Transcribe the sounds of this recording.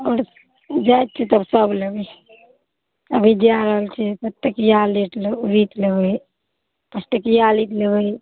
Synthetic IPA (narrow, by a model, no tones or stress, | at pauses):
ɔːɾ | d͡ʒajt̪̚t͡ʃʰit̪əbsəbləɡe | əbʱid͡ʒjaɾəɦəlt͡ʃʰɛpət̪ːəkijaleʈluɾit̪lebəj | pəsʈ̪əkijalit̪lebəj